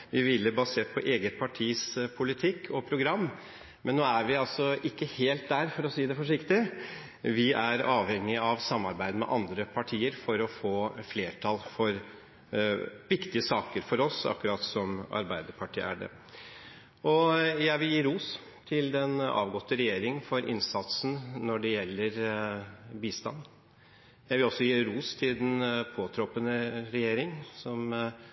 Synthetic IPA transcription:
ʋɪʋɪlːəbɑseːʈ̚pʰɔʔeːɡət̪̚pʰɑʈʰiːspʰʊlɪt̪ʰɪkːʰɔpʰɾʊɡɾɑmː | mɛnːoːæɾʋɪɑlsɔʔɪkːəheːlt̪̚d̪æɾfɔɾɔsiːd̪ɛfɔʂɪkt̪ɪ | ʋɪʔæɾɑːʋhɛŋːɪɑʋsɑmːɑɾbæɪd̪əmɛ̰ʔɑnd̪ɾəpʰɑʈʰiːəɾfɔɾɔfoːfleːʈʰɑlfɔɾ | ʋɪkt̪ɪəsɑːkəɾfɔɾɔsɑ̰kːʉɾɑːt̪sɔmɑ̰ɾbæɪd̪əɾpʰɑʈʰḭːæ̰ɖɛ̰ | ɔjæɪʋɪljiːɾuːs | t̪ʰɪld̪ɛnɑ̰ːʋɡɔt̪ːəɾɛjeːɾɪŋəfɔɾʔɪ̰nsɑt̪sn̩nɔɖɛjɛlːəɾ | biːst̪ɑ̰nː | jæɪʋɪlɔsːɔjiːɾuːst̪ʰɪld̪ɛnpʰoːt̪ʰɾɔpənəɾɛjeːɾɪŋsɔm

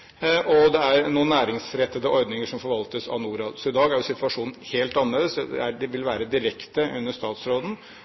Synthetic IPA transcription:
ʔɔd̪ɛæɾnuːnːæːɾɪŋsɾɛt̪ːəd̪əʔɔɾd̪nɪŋəʂɔmfɔɾʋɑlt̪əsɑ̰ʋnuːɾɑːd̪sɔɪd̪ɑːɡæɾjʊsɪt̪ʰʋɑʂuːnn̩heːlt̪ɑnleːd̪əsd̪ɛ̰æɖɛʋɪlʋæːɾəd̪ɪɾɛkt̪əʔʉnːəʂt̪ɑːt̪sɾoːd̪n̩

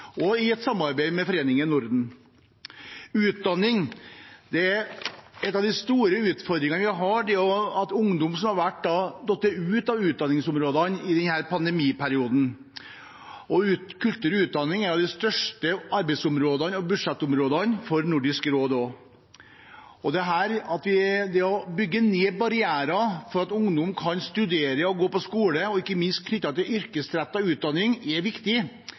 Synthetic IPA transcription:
ʔɔɪɛt̪sɑmːɑɾbeɪmɛfɔɾeːnɪŋənʊɾd̪n̩ | ʉːt̪̚d̪ɑnːɪŋd̪̥ɛæɾɛt̪ːɑʋd̪ɪst̪uːɾəʉːt̪fɔɾd̪ɾɪŋənəʋɪɦɑɖɛɔɑt̪ʊŋd̪ʊmsɔmhɑɾʋæʈ̚ːd̪ɑd̪ɔt̪ːəʉːt̪ɑʋʉːt̪̚d̪ɑnːɪŋsʊmɾoːd̪ɑnɪd̪ɛnhæːɾpʰɑnd̪ɛmiːpʰæɾɪuːd̪n̩ | ʔɔʉːt̪kʰʉlt̪ʉːɾʉːt̪̚d̪ɑnːɪŋɛnɑʋd̪ɪst̪œʂʈəɑɾbɛɪsʊmɾoːd̪ɑnɔbʉʂɛt̪ːʊmɾoːd̪ɑnfɔɾnʊɖɪskɾoːd̪oː | ɔd̪ɛɦæːɾɑt̪ʋɪd̪ɛɔbʏɡːəneːbɑɾɪæːɾɑfɔɾɑt̪ʊŋd̪ʊmkʰɑnst̪ʉd̪eːɾəɔɡoːpɔskuːləɔɪkːəmɪnst̪̚kʰnʏt̪ːɑt̪ɪlʏɾkəsɾæt̪ːɑʋʉːt̪̚d̪ɑnːɪŋɛʋɪkt̪ɪ

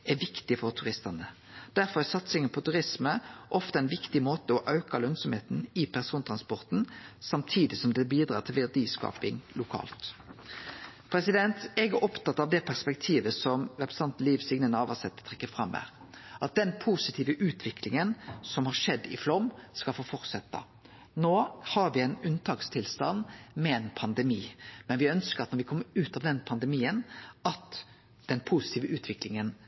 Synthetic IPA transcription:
æʋɪkt̪ɪfɔʁt̪ʰʉʁɪst̪ənə | d̪̥æɾfɔʁæʁsɑt̪sɪŋənpʰɔt̪ʉɾɪsməʔɔft̪əɛɪnʋɪkt̪ɪmoːt̪əɔʔɑʉkɑlœnsɔmheːt̪n̩ɪpʰæʁsuːnt̪ʰʁɑnspɔʁt̪nsɑmt̪ʰiːd̪ɪsɔmd̪ɛbiːd̪ɾɑːʁt̪ʰɪlʋɛʁd̪iːskɑ̰ːpɪŋlʊkʰɑ̰ːlt̪ | pʰɾɛsɪd̪ɛnt̪ɛɡæɾʔɔpt̪ɑt̪ːɑʋd̪ɛːpʰæʁspɛk̚t̪ʰiːʋəsɔmʁɛpɾɛ̥sɑnt̪liːʋsɪɡnənəɑːʋɑsɛt̪ːə̥t̪ʰʁɛkːəfɾɑmːæ̰ːɾ | ʔɑt̪̚d̪ɛnpʰusɪt̪ʰiːʋəʔʉːt̪ʰʋɪklɪŋənsɔmhɑɾʂɛd̪ːɪ̰flɔmskɑlfoːfɔɾt̪sɛt̪ːə̰ | noːhɑɾʋɪæɪnʉnt̪ʰɑːkst̪ʰɪlst̪ɑnːmɛɛnpʰɑnd̪ɛmiːmɛnʋɪœnskəɾɑt̪nɔɾʋɪkʰɔmːəɾʉːt̪ɑʋd̪ɛnpʰɑnd̪ɛmiːənɑt̪ | d̪̥ɛnpʰusɪ̥t̪ʰiːʋəʉːt̪ʰʋɪklɪŋən

